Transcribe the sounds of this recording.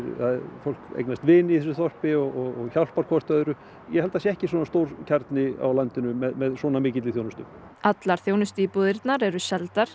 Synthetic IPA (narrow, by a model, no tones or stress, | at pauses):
ɾθaðfowl̥kḛjknast̪vɪːniθɛs̬ʏθɔr̥pɪɔɣɔɣɔɣçawl̥paɾkʰɔst̪œːðʏɾʏ | jɛhɛlt̪asjɛɛhcɪswɔːnst̪owɾcʰaɾt̪nɪa̰wlant̪ɪnʏmɛðmɛðswɔːnamɪːcɪt̪ɪθjownʏst̪ʏm | at̪laɾ̥θjoːwnʏst̪ipuðɪɾt̪naɾɛɾʏsɛlt̪aɾ̥